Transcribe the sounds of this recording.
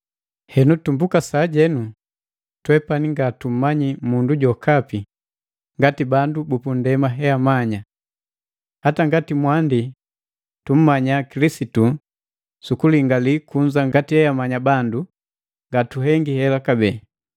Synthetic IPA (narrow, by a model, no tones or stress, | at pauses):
hɛnutumbukasaːɟɛnu | twɛpaniŋɡatum̩maɲimunduɟɔkapi | ŋɡatibandubupundɛmaɦɛamaɲa | hataŋɡatimwandi | tum̩maɲakilisitu | sukuliŋɡalikuɲd͡ʒaŋɡatihɛamaɲabandu | ŋɡatuɦɛŋɡihɛlakabɛ